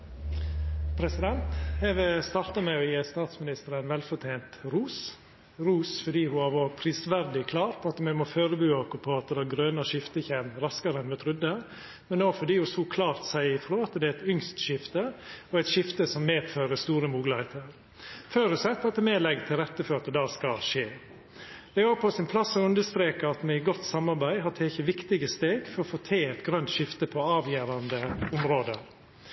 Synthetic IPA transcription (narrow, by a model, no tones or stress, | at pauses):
pʰɾɛsɪd̪ɛnt̪hɛʋəst̪ɑɾt̪ɑmɛɔjeːst̪ɑːt̪smɪnɪst̪əɾənʋɛlfɔt̪ʰeːnt̪ɾuːs | ɾuːsfɔɖiːhʊɑʋɔpʰɾiːsʋæɾd̪ɪkʰlɑːɾpʰɔɑt̪mɛmɔføːɾəbʉːɑkʊpʰɔɑt̪əd̪æːɡɾøːnɑʃɪft̪əçeːmɾɑskɑɾənmɛt̪ʰɾʏd̪ːə | mɛnd̪oːfɔɖiːʊsuːkʰlɑːɾt̪sæɪɪfɾoːɑt̪d̪ɛæɛɪt̪ʏŋst̪ʃɪft̪əɔæɪt̪ʃɪft̪əsɔmːeːd̪føːɾəst̪uːɾəmuːɡlɪheːt̪ʰəɾ | føɾʉsɛt̪ːɑt̪ɛmeːlɛɡt̪ʰɪlɾɛt̪ːəfɔɾɑt̪̚d̪ɛd̪ɑːskɑlʃeː | d̪̥ɛɑːpʰɔsɪnpʰlɑsːɔʉnd̪əst̪ɾeːkəɑt̪mɛɪɡɔt̪ːsɑmːɑɾbæɪɦɑt̪ʰeːçəʋɪkt̪ɪɡəst̪eːɡfɔɾɔfoːt̪ʰeːɛt̪ɡɾœnt̪ʃɪft̪əpʰɔɑːʋjæːɾɑnd̪əʊmɾoːd̪əɾ